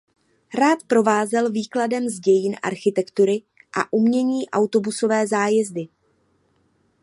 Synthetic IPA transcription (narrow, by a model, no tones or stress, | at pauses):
ɾaːt̪pɾo̞vaːzɛlviːkladɛmzɟɛjɪnʔa̰ɾxɪt̪ɛkt̪uɾɪ | ʔa̰ʔumɲɛɲiːʔawt̪o̞buso̞vɛːzaːjɛzdɪ